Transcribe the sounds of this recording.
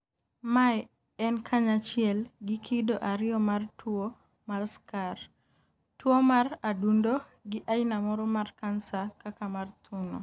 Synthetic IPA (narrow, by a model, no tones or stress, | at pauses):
maj | ɛnkʰaɲat͡ʃɪɛlɡɪkʰidoʔaɾɪjɔmartwo | marskar | twomaradundo | ɡɪʔainamɔɾɔmarkansakakamart̪ʰuno̰